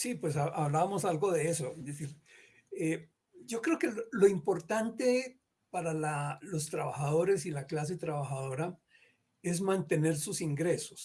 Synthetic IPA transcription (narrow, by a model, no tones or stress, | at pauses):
sipwe̞s̬aaβlaβamo̞salɡo̞ðe̞esoezd̪esiɾ | e | d͡ʒo̞kɾe̞okelolo̞impo̞ɾt̪ant̪e̞ | paɾalalo̞st̪ɾaβaxaðo̞ɾe̞silaklas̬et̪ɾaβaxaðo̞ɾa | e̞zmãnt̪e̞ne̞ɾsusiŋɡɾe̞sos